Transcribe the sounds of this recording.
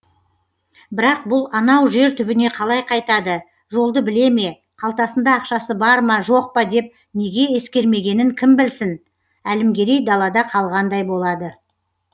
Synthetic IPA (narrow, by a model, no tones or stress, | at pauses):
bɪɾɑq̚bʊlˠɑnɑwʒe̞ɾt̪ʰʏbɪne̞qʰɑlˠɑjqʰɑjt̪ɑd̪ə | ʒo̞lˠd̪əbɪle̞me̞ | qʰɑlˠt̪ɑsənd̪ɑːqʃɑsəbɑɾmɑʒo̞q̚pɑd̪e̞p̚ | ne̞ɡʲe̞je̞skʲe̞ɾme̞ɡʲe̞nɪŋkʲʰɪmbɪlsɪn | ælɪmɡʲe̞ɾejd̪ɑlˠɑd̪ɑqʰɑlˠʁɑnd̪ɑjbo̞lˠɑd̪ə